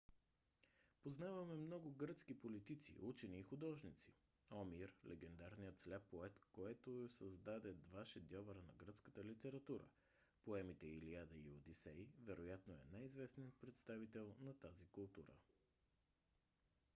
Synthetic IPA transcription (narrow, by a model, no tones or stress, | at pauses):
poznavəmɛmnɔɡoɡɾət̪skipolit̪it̪sḭʔut͡ʃɛniːxʊd̪ɔʒnit̪si | ɔmiɾlʔɛɡɛnd̪aɾnijət̪slɛpːoɛt̪koɛt̪osəzd̪ad̪ɛd̪vaʃɛd̪ʲjɔvɐɾənɐɡɾət̪skət̪əlit̪ɛɾɐt̪uɾə̰ | poɛmit̪ɛiliad̪əiod̪isɛjvɛɾojat̪noɛ̰najizvɛsniət̪̚pɾɛt̪st̪avit̪ɛlˠnɐt̪azikʊlˠt̪uɾə̰